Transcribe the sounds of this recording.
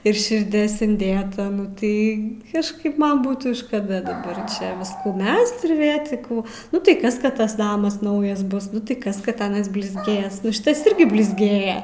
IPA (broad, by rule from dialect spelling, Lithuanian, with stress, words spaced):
ɪr ʃʲɪrʲˈdʲeːs ɪnʲˈdʲeːtɐ nʊ ˈtɐɪ kɐʃˈkɐɪp ˈmɐn ˈbuːtuː ʃkɐˈdɐ dɐˈbɐr ˈt͡ʃʲɛ ˈʋʲɪskuː ˈmʲɛst ɪr ʋʲeː tʲɪ ˈkuː ˈnʊ tɐɪ ˈkɐs ˈkɐt ˈtɐs ˈnɑːmɐs ˈnɐʊjɛs ˈbʊs ˈnʊ tɐɪ ˈkɐs kɐt ˈɑːnɐs bʲlʲɪzʲˈɡʲeːs ˈnʊ ˈʃʲɪtɐs ˈɪrʲɡʲɪ bʲlʲɪzʲˈɡʲeːjɛ